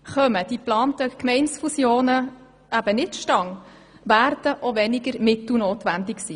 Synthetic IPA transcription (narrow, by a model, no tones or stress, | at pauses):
χœməd̥iplɑːntəkmɛɪnsfusjoːnə | ʔæb̥ənɪtʃtɑŋ | ʋæːɾdəʔoʋɛnɪɡəɾmɪtl̩noːtʋændɪksiː